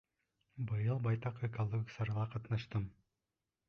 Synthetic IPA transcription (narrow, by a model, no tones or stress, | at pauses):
bɯjɯlˠbɑjt̪ɑqekolˠoɡʲiksɑɾʁˠɑqɑt̪nɑʃt̪ɯm